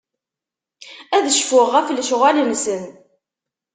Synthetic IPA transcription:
æðəʃfʊʁːæflʃʁæləmsən

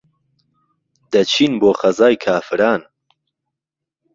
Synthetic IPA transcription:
d̪̥ɐt͡ʃʰiːnboːχɐzaːjkʰaːfɨɾaːn

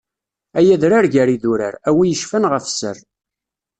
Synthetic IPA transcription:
æjæðɾaɾʝæɾiðuɾə̰ɾæwijəʃfənʁəfsə̰r

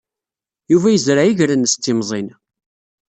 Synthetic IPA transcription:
juvæjəzɾajiʝɾənst̪ːɪmzˤin

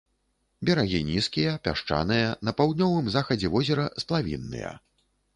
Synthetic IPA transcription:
bʲɛɾaɣʲinʲiskʲijɐpʲa̰ʂt͡ʂa̰nɨjɐnɐpawd̪nʲɔvɨmzaxɐd͡zʲɛvɔzʲɛɾɐsplˠavʲḭnːɨ̰jɐ̰

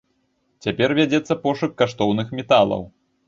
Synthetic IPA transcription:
t͡sʲapʲɛrvʲad͡zʲɛt̪sːɐpɔʂɨkːaʂt̪ɔwnɨxmʲɛt̪alˠɐ̰w

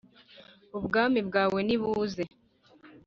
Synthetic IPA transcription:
ubɡaːmibɡaːwe̞niβuze

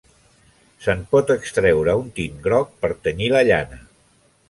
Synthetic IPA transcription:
səmpɔt̪əkst̪ɾɛwɾəunt̪inɡɾɔk̚pəɾt̪əniləʎa̰nə

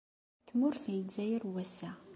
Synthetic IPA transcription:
θmʊɾθəld͡zæjəɾwæsːæ

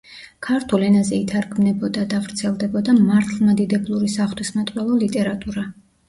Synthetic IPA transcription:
kʰaɾt̪ʰulɛnazɛit̪ʰaɾɡʰmnɛbɔd̪ad̪avɾt̪sʰɛlˠd̪ɛbɔd̪amaɾt̪ʰlˠmad̪id̪ɛblˠuɾisaχt̪wismat̪ʼwɛlˠɔlit̪ʼɛɾat̪ʼuɾa

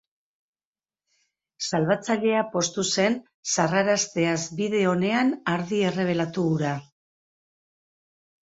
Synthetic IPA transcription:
salβat͡saʎe̞apo̞st̪use̞n | saraɾast̪e̞azbiðe̞o̞ne̞anaɾðie̞re̞β̞e̞lat̪uɣuɾa

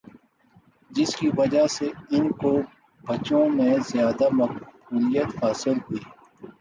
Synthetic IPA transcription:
d͡ʒɪskiʋɐd͡ʒaseɪnko | bɐt͡ʃõmẽzjaːd̪amɐk̚buːlijət̪faːsɪlɦʊiː

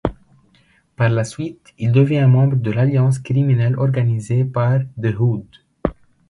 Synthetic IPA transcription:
paʁlasɥit̪ | ild̪əvjɛ̃mɑ̃bʁəd̪əlaljɑ̃s̬kχiminɛlɔʁɡanizepaʁd̪əɦud̪

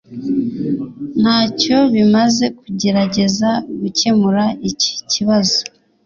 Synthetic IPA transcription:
n̥haːco̞βimaze̞kuɟe̞ɾaɟe̞zaɡuce̞muɾaici̥ciβazo

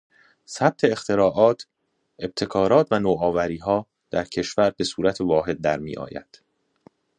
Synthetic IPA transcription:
sæb̥̚t̪ʰe̞ːxt̪ʰe̞ɾɒːʔɒːt̪ʰ | e̞b̥̚t̪ʰe̞kʰɒːɾɒːt̪ʰvænoːɒːvæɾiːɦɒː | d̪̥æɾcʰe̞ʃvæɾbe̞suːɾæt̪ʰevɒːɦe̞d̪̚ːæɾmḭːʔɒ̰ːjæ̰d̪̥

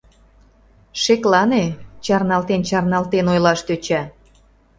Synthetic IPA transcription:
ʃeklɑnet͡ɕɑrnɑlt̪ent͡ɕɑrnɑlt̪enojlɑʃt̪øt͡ɕæ

